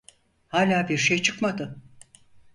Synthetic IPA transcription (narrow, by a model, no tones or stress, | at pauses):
haːlʲaːbiɾʃejt͡ʃʰɯkmad̪ɯ